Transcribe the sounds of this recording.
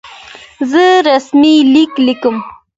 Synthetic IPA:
zəɾasmiliklikəm

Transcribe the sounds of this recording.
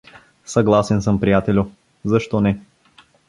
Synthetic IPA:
sɐɡlˠasɛnsɤmpɾijat̪ɛlʲʊ | zɐʃt̪ɔnɛ

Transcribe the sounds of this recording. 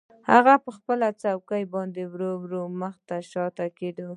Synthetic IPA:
haɣapəxpəlat͡sawkajbɑnd̪ewɾowɾoməxt̪aʃɑt̪aked̪o

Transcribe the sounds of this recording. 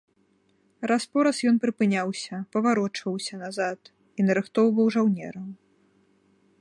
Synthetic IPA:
raspɔɾɐsjɔnpɾɨpɨnʲawsʲɐpɐvaɾɔt͡ʂvɐwsʲɐnazat̪ | inɐɾɨxt̪ɔwvɐwʐawnʲɛ̰ɾɐm

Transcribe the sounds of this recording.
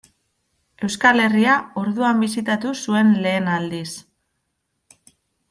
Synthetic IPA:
e̞wskale̞riao̞ɾðuambisit̪at̪usue̞nle̞ːnald̪is

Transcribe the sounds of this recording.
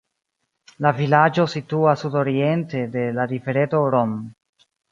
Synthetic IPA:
lavilad͡ʒo̞situasudo̞ɾie̞nte̞de̞ladife̞ɾeto̞ɾom

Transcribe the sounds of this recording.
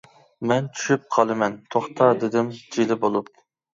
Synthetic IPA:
mɛnt̪ʰy̥ʃyp̚qʰɑlˠɨmɛnt̪ʰoχt̪ʰɑd̪ɪd̪ɪmd͡ʒilɪbolˠup̚

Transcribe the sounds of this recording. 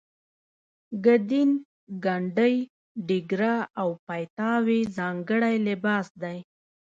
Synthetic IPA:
ɡad̪in | ɡaɳɖəj | ɖɪɡɾaawpajt̪ɑwezɑŋɡəɽajlɪbɑsd̪aj

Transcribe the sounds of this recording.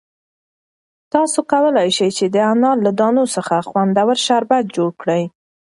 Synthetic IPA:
t̪ɑsokawəlajʃəjt͡ʃed̪əanɑllad̪ɑnosəxaxwand̪awəɾʃaɾbat̪̚d͡ʒoɽkɽəj

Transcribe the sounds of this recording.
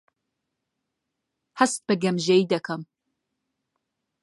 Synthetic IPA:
hɐst̪̚b̥ɨɡɐmʒɛid̪ɐkʰɐm

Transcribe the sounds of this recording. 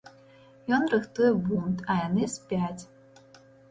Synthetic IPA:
jɔnrɨxt̪ujɛbunt̪ɐjanɨsʲpʲat͡sʲ

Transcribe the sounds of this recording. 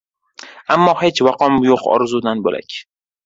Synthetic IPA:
ʔæmːɒːheːt͡ʃvæqɒːmjoqɒ̰ːɾzuːd̪ænbolæ̰cʰ

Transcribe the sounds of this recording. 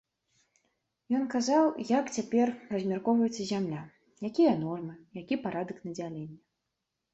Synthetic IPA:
jɔnkazawjakt͡sʲapʲɛrrɐzʲmʲarkɔvɐjɛt̪sːɐzʲamlʲa | jakʲijɐnɔrmɨjakʲipaɾad̪ɨknɐd͡zʲalʲɛnʲːɐ

